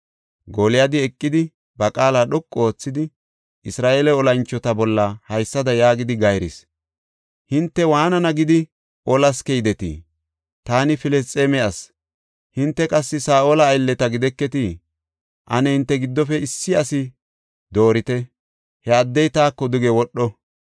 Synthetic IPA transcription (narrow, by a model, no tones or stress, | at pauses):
ɡɔlɪjad̪ɪɛkʼːɪd̪ɪ | bɐkʼaːlaːɗɔkʼːo̞ːt͡sːɪd̪ɪ | ɪsɾaːʔeːlɛɔlɐnt͡ʃːɔt̪ɐbɔlːɐhɐjsːɐd̪ɐjaːɡɪd̪ɪɡɐjɾɪ̰s | hɪnt̪ːɛwaːnɐnɐɡɪd̪ɪ | ʔɔlɐskɛjd̪ɛt̪ḭ | t̪aːnɪfɪlɛst͡sʼːeːmɛɐs | hɪnt̪ːɛkʼɐsːɪsaːʔolɐːjlːɛt̪ɐɡɪd̪ɛkːɛt̪ɪ | ʔɐnɛhɪnt̪ːɛɡɪd̪ːɔfɛɪsːɪɐsɪ | d̪o̞ːɾɪt̪ɛ | hɛɐd̪ːɛjt̪aːkːɔd̪ʊɡɛwɔɗːɔ